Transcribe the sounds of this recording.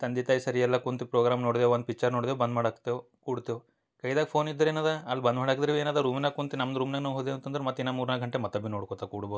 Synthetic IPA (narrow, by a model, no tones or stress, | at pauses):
t̪ɐnd̪it̪aːjisɐɾijɛlːɐkunt̪ipɾoːɡɾaːmnoːɽd̪eʋond̪̚pikːt͡ʃɐɾnoːɽd̪eʋbɐnd̪maːɽaːku̥t̪ːeʋ | kuːɽt̪eːʋ | kɐjd̪aːɡʲpʰo̞ːnid̪ːɐɾeːnaːd̪aɐlːbɐnd̪maːɽaːkd̪ɾeʋeːnaːd̪aɾuːminɐkunt̪inɐmd̪ɾuːmnenɐʋɦoːd̪ent̪ːɐnd̪ɐɾemɐt̪ːinːamuːɾnaɡʱɐɳʈemɐt̪ːɐbinoːɽkot̪ːakuːɽuboːu